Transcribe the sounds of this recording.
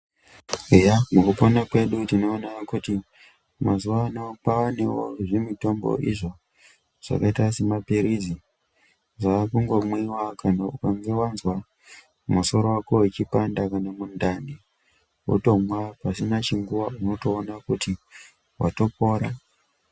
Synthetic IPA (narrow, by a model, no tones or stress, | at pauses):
ejamukuponakwe̞ɗutinoːnakuti | mazuwanapaanewo̰ʐemito̞mbo̞̰ʔḭʐo̞ | ʐ̥a̰kaitasemapiɾizi | ʐaːkuŋɡwomwiwakʰanaukaŋɡe̞wanzwa | maso̞ɾo̞wakowet͡ʃipandakanamundani | ṵto̞mwapasinat͡ʃiŋɡuwauno̞to̞ːnakuti | wa̰to̞po̞ːɾa